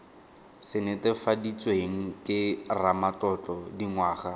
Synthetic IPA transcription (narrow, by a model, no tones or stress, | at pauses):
sɪnetɛfadit͡sʼweŋ̩kɪramatɔt͡ɬɔdiŋwaːχa